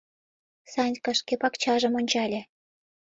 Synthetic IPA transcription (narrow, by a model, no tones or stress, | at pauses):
sɑnʲkɑ̆ʃkepɑkt͡ɕɑʒə̆monʲt͡ɕɑlʲĕ